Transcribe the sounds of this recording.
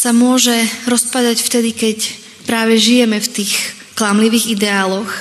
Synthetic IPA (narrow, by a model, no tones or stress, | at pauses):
samʊɔʒɛɾɔspad̪acft̪ɛd̪ikɛc | pɾaːʋɛʒijɛmɛft̪iːx | klamliʋiːɣid̪ɛaːlɔx